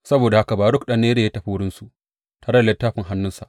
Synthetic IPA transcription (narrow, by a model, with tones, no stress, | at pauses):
sɐ˦boː˨da˨ha˦ka˨baː˨ɽʊ˦˨kɗɐ˦˨nːeː˦de˨jaː˦tɐ˨ɸi˦wʊ˦ɽɪ˦nsu˨ | taː˨ɽɐ˦da˨lɛ˦tːaː˦ɸɪ˨ŋɦa˦nːʊ˦nsa˨ʔ